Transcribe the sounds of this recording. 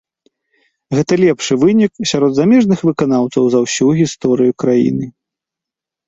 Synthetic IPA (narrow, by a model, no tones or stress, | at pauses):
ɣɛt̪ɐlʲɛpʂɨvɨnʲiksʲaɾɔd̪zamʲɛʐnɨxvɨkanawt̪sɐwzɐwsʲuɣʲist̪ɔɾɨjukɾajḭnɨ